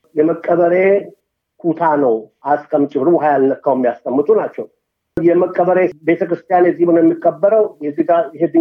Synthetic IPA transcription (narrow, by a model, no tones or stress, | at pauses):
jɛməkʼːəβəɾe̞ | kʰut̪ʰanəwʔaskʰəmt͡ʃʼɪβɾɨbɦajalnəkːəwmːijast̪ʼəmːɨt̪ʼunat͡ʃːɛw | jɛməkʼːəβəɾe̞be̞t̪ʰəkɾɨst̪ʰʼijanjɛzihbɨnojɛmːikʼːəbːəɾəwjɛzːihɡajɦed̪ɨ